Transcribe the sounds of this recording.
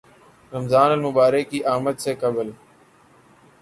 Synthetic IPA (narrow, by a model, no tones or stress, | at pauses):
ɾəmzaːnəlmʊɓaːɾəkːiːʔaːmət̪seːkəbəl